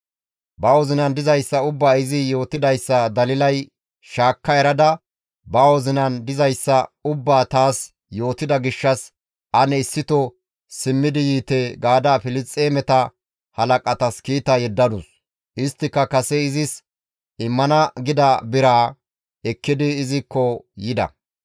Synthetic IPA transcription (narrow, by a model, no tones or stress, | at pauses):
bɐwɔzɪnɐnd̪ɪzɐjsːɐʊbːaːɪzɪjo̞ːt̪ɪd̪ɐjsːɐd̪ɐlɪlɐj | ʃaːkːɐjɛɾɐd̪ɐ | bɐwɔzɪnɐnd̪ɪzɐjsːɐʊbːaːt̪aːs | jo̞ːt̪ːɪd̪ɐɡɪʃːɐs | ʔɐnɛɪsːɪt̪ɔ | sɪmːɪd̪ɪjiːt̪ɛɡaːd̪aːfɪlɪt͡sʼːeːmɛt̪ɐ | hɐlɐkʼɐt̪ɐskiːt̪ɐjɛd̪ːɐd̪ʊs | ʔɪst̪ːɪkːɐkɐsɛɪzɪs | ɪmːɐnɐɡɪd̪ɐbɪɾaː | ɛkːɪd̪ɪːzɪkːɔjɪd̪ɐ̰